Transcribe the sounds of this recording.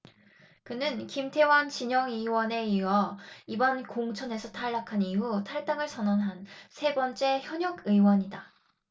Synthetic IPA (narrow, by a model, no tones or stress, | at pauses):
kɯnɯnkimtʰe̞want͡ɕiɲʌŋɯwʌne̞iwʌibʌnkoŋt͡ɕʰʌne̞sʰʌtʰaɭːakʰaniɦutʰaɭt͈aŋɯɭsʰʌnʌnɦansʰe̞bʌnt͡ɕ͈e̞çjʌɲʌɡɯiwʌɲida